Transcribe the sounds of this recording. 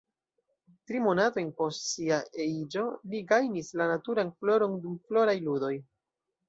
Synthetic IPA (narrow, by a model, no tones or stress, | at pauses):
tɾimo̞nato̞jnpo̞stsiaeid͡ʒo̞liɡajnislanatuɾanflo̞ɾo̞ndumflo̞ɾajludo̞j